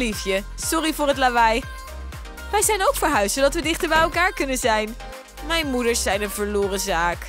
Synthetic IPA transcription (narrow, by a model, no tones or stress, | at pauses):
lifjəsɔrivʊːɹɦətlabɛj | ʋɛjzɛjnowkfəɹɦœɥstsodɑtʋədɪχtəɹbɛjɛlˠkaːɹkɵnənzɛjn | mɛjnmudəɹsɛjnənvəɹlʊːrəzaːk